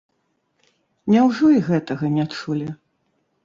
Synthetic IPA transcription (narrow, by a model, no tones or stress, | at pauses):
nʲawʐɔiɣɛt̪ɐɣɐnʲɛt͡ʂulʲɛ